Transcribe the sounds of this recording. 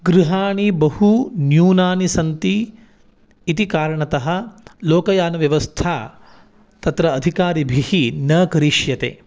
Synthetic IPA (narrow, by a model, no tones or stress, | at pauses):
ɡɾiɦaːɳibɐɦunjuːnaːnisɐnt̪iː | t̪ikaːɾɐɳɐt̪ɐɦɐ̆loːkɐjaːnɐʋjɐʋɐst̪ʰaː | t̪ɐt̪ɾɐːd̪ʱikaːɾibʱihinɐkɐɾiʃjɐt̪ḛː